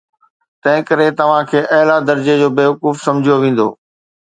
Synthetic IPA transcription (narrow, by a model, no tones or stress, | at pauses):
t̪ɐ̃ɦɪ̃kɐɾet̪ɐʋ̤ãkʰeːʔɐɦɪlad̪ɐɾd͡ʑed͡ʑoːbeːʋɐkuːfsɐ̃md͡ʑʱijoʋẽːn̆d̪o̰ː